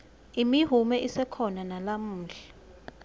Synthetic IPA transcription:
imiɦumɛʔisɛkʰɔnanalam̩ːɬɛ̥

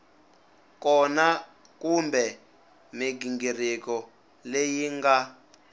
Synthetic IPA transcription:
kɔna | kumbɛ | miɡiŋɡirikɔ | lejiŋɡa

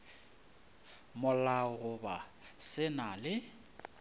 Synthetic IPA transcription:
mʊlaɣʊbasɪnalɪ

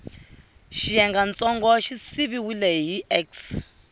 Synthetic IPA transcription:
ʃijɛŋɡant͡sʼɔŋɡɔʃisiβiwilɛɦiʔɛks

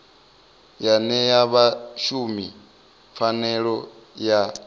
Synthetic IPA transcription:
janɛjaβaʃumi | fanɛɺɔ | ja

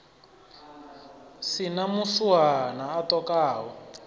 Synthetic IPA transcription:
sinamusuwanaːtɔkaːwɔ

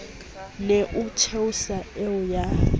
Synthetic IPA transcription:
neʔut͡ʃʰeusaɛʊja

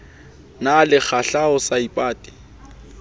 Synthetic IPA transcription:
nalɪk͡xʰaɬaʊsaipʼaːtʼɪ̥

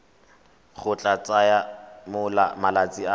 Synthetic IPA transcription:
χʊt͡ɬʼat͡sʼajamʊlamalat͡sʼia

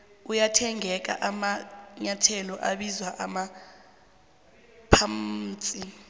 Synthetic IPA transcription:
ujatʰɛŋʱɛk̬a̰ʔamaɲatʰɛlɔʔaɓizwaʔama | pʰam̩t͡sʼi

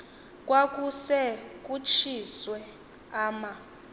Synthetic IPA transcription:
kʼwakʼusɛk̬ʼut͡ʃʰiswɛ | aːma

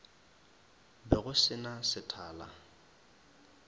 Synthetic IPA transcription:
bɛɣʊsɪnasɪtʰaːla̰

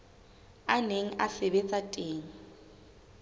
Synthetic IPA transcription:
aneŋ̩ʔaseβet͡sʼatʼeːŋ̩

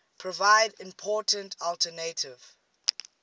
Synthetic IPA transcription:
pʰɹɔvaɪdɪ̃mpʰɔtə̃ntʰɔltʰənetʰɪv̥

